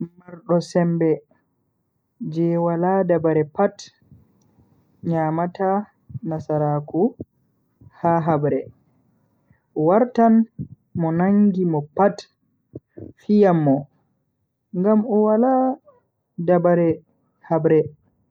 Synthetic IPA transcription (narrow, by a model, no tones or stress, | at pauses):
maɾɗɔsɛmbɛ | d͡ʒɛwaladabaɾɛpat | ɲaːmata | nasaɾaku | haɦabɾɛ | waɾtan | mɔnaŋɡimɔpat | fijamːɔ | ŋɡamɔwala | dabaɾɛ | habɾɛ